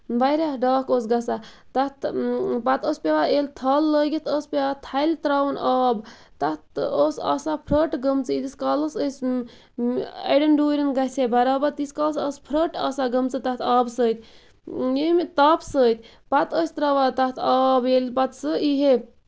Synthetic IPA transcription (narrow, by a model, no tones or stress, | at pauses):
baɾaɦɖaːkoːs̬ɡɐsat̪ɐt̪pɐt̪əsʲpʲeʋaeːlʲt̪ʰaːlːəːɡʲit̪ʰəːspʲeʋat̪ʰɐjlʲt̪ɾawnaːbt̪ɐt̪oːsa̰ːsapʰɾəʈɡɐmt͡sɨid̪iskaːləsəs | ɐ̰ɖɐnɖuːɾʲinɡɐsʰʲebɐɾaːbɐɾt̪iskaːlsəːspʰɾəʈa̰ːsaɡɐmt͡sɨt̪ɐht̪ʰaːbsəːt̪ʰʲ | emt̪aːpsəːt̪ʰʲ | pɐt̪əːsʲt̪ɾaʋat̪ɐt̪ʰaːbelpɐt̪sɨiɦe